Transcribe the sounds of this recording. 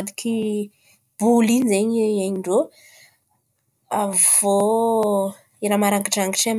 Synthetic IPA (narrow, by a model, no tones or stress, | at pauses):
d̪iki | b̥ulinzeɲeaɲiɳɖ͡ʐo | av̥o | eɾamaɾaŋkiʈ͡ʂaŋɡiʈ͡ʂam